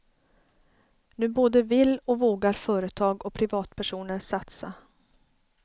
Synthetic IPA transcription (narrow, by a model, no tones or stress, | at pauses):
nʉ̟ːboːd̪əvɪlːɔvoːɡaɾfœːɾət̪ʰɑːɡɔpʰɾɪvɑːt̪pʰæʂuːnəɾsat̪sa̰